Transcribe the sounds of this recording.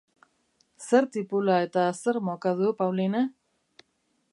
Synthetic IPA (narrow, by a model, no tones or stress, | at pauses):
se̞ɾt̪ipulaet̪ase̞ɾmokaðupawline